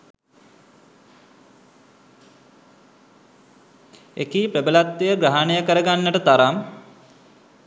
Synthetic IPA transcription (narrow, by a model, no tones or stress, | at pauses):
ekiːpɾebəlat̪ʋejəɡɾaɦanejəkəɾəɡanːəʈət̪aɾam